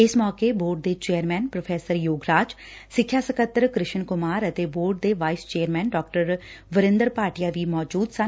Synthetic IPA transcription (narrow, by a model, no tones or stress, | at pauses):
ɪsmɔːkeːboːɾɖ̚d̪eːt͡ʃeːəɾmɛːnpɾopʰɛːsəɾjoːɡɾaːd͡ʒ | sɪkʰːjaːsəkət̪ːəɾkɾɪʃənkʊmaːɾət̪eːboːɾɖ̚d̪eːʋaːɪst͡ʃeːəɾmɛːnɖɔːk̚ʈəɾʋəɾɪ̃nd̪əɾpaːʈijaːʋiːmɔːd͡ʒuːd̪sə